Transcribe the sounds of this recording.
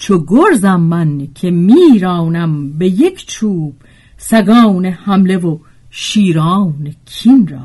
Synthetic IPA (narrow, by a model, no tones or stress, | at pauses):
t͡ʃʰoɡoɾzæmːænkʰemiːɾɑːwnæmbejekʰt͡ʃʰuːb̥ | sæɡɑːwnehæmlevo | ʃiːɾɑːwnekʰinɾa̰